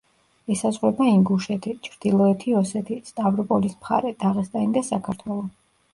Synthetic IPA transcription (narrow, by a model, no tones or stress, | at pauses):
ɛsazʁwɛbaiŋɡuʃɛt̪ʰit͡ʃʰɾd̪̥ilˠɔɛt̪ʰiɔsɛt̪ʰist̪ʼavɾɔpʼɔlismχa̰ɾɛd̪̥aʁɛsd̪ʼaind̪asakʰaɾt̪ʰwɛlˠɔ